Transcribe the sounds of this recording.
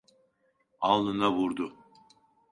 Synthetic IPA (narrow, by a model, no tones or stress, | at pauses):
alˠːɯnaβuɾd̪ʊ